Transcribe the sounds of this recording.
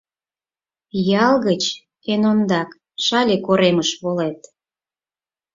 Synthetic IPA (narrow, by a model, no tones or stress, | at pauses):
jɑlɣət͡ɕ | enond̪ɑk | ʃɑlʲekoɾeməʃβolet̪